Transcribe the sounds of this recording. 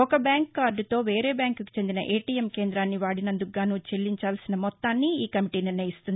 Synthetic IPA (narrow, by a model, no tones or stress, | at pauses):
ɔkɐbjaːŋkːaːɾɖut̪o̞ːʋeːɾe̞ːbjaːŋkuki̥t͡ʃe̞nd̪inɐ̰ʔeːʈiːjemke̞ːnd̪ɾaːnːiʋaːɽinɐnd̪uɡaːnuːt͡ʃe̞lːiɲt͡ʃaːlsinɐmɔt̪ːaːnːiiːkɐmiʈiːniɾnɐjist̪und̪i